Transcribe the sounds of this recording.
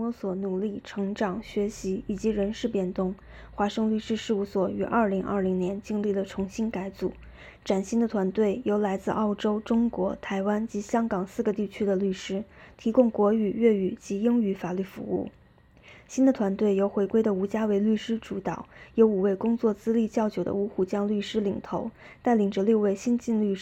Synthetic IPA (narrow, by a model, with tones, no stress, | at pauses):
wɔ˧˥swɔ˨˩nu˨˩li˥˩ʈ͡ʂʰɤ˧˥ŋʈ͡ʂɑ˨˩ŋɕɥɛ˧˥ɕi˧˥i˨˩t͡ɕi˧˥ɻə˧˥nʂɻ̩˥˧pjɛ˥˩nt̪ʊ˥˩ŋ | xwa˧˥ʂɤ˥˧ŋly˥˧ʂɻ̩˥ʂɻ̩˥˧u˥˩swɔ˨˩y˨˩ʔɐ̰˞˥˩li˧˥ŋʔɐ̰˞˥˩li˧˥ŋnjɛ˧˥nt͡ɕi˥ŋli˥˩d̪ə˩ʈ͡ʂʰʊ˧˥ŋɕi˥nka˧˥ɪt͡su˨˩˦ | ʈ͡ʂa˨˩nɕi˥nd̪ə˨t̪ʰwa˧˥nt̪we˥˩ɪjo˧˥ʊla˧˥ɪt͡sɹ̩˥˧ʔɑ˥˩ʊʈ͡ʂo˥ʊʈ͡ʂʊ˥ŋkwɔ˧˥t̪ʰa˧˥ɪwa˥nt͡ɕi˧˥ɕjɑ˥ŋkɑ˨˩ŋsɹ̩˥˩ɡə˩t̪i˥˩t͡ɕʰy˥d̪ə˨ly˥˩ʂɻ̩˥t̪ʰi˧˥kʊ˥˩ŋkwɔ˧˥y˨˩ɥɛ˥˩y˨˩t͡ɕi˧˥i˥ŋy˧˥fa˨˩ly˥˩fṵ˧˥ṵ˥˩ | ɕi˥nd̪ə˨t̪ʰwa˧˥nt̪we˥˩ɪjo˧˥ʊxwe˧˥ɪkwe˥ɪd̪ə˨u˧˥t͡ɕja˥we˧˥ɪly˥˩ʂɻ̩˥ʈ͡ʂu˧˥t̪ɑ˨˩˦ʊjo˧˥ʊu˨˩we˥˩ɪkʊ˥ŋt͡swɔ˥˩t͡sɹ̩˥li˥˧t͡ɕjɑ˥˩ʊt͡ɕjo˨˩ʊd̪ə̰˦u˧˥xu˨˩t͡ɕjɑ˥ŋly˥˩ʂɻ̩˥li˨˩ŋt̪ʰo˧˥ʊ | t̪a˥˩ɪli˨˩ŋʈ͡ʂə˥˧lu˥˧ʊwe˥˩ɪɕi˥nt͡ɕi˥˧nly˥˩ʂ